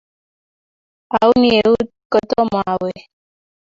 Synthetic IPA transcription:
a˨u˦ni˦e˨u˦ | kɔ˦t̪ɔ˦ma˨we˨

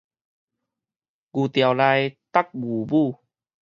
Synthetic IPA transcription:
ɡu˨˩t̪ja˨˩wla˧jt̪a˦˥k̚ɡu˨˩bu˥˧

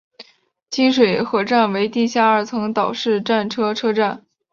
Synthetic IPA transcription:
t͡ɕi˥nʂwe˨˩ɪxɤ˧˥ʈ͡ʂa˥˩nwe˧˥ɪt̪i˥˩ɕja˥˩ə˞˥˩t͡sʰɤ˧˥ŋt̪ɑ˨˩ʊʂɻ̩˥˧ʈ͡ʂa˥˩nʈ͡ʂʰɤ˥ʈ͡ʂʰɤ˥ʈ͡ʂa˥˩n

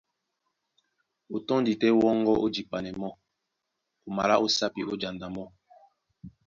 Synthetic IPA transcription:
o˨tɔ˦ndi˨tɛ˦wɔ˦ŋɡɔ˦ʔo˦d͡ʒi˨pa˨nɛ˨mɔ˦ | ku˨ma˨la˦ʔo˦sa˦pi˨ʔo˦d͡ʒa˨nda˨mɔ˦

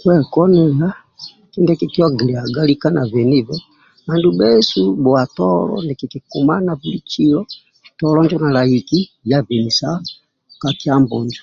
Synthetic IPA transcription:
kwɛ˦kɔ˦nɛ˨la˦ | ki˦ndɛ˦ki˨ki˦ɔ˦ɡi˨li˨a˨ɡa˦li˦ka˦na˨vɛ˨ni˦vɛ˦ | ma˨ndu˦bɛ˦su˦bɔ˨a˨tɔ˦lɔ̰˦ndɛ˨ki˨ki˨ku˨ma˦na˨vu˨li˦t͡ʃi˦lɔ˦ | tɔlɔ˦nd͡ʒɔ˦na˨la˨i˨ki˦ | ja˦vɛ˨ni˨sa˦ | ka˨ki˦a˦mbɔ˨ɲd͡ʒḁ˨

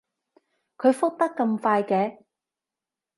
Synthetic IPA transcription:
kʰɵ˨˧ɥfʊ˥k̚t̪ɐ˥kːɐ˧mfaː˧jkɛː˧

